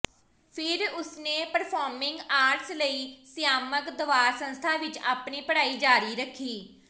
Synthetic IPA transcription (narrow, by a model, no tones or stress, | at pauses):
pʰɪɾʊsneːpəɾpʰaːɾmɪ̃ŋɡaːɾʈsləiːsɪjaːməkd̪ʊʋaːɾsə̃nst̪ʰaːʋɪt͡ʃa̰ːpniːpəɽaːiːd͡ʒaːɾiːɾəkʰːiː